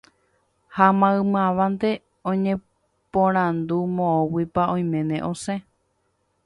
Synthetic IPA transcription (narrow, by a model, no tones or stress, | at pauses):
hamãɨmãʋãnt̪e̞ | õɲẽ | põɾ̃ãnd̪umõõwipaõj̃mẽ̞nḛ̃ʔõ̞sẽ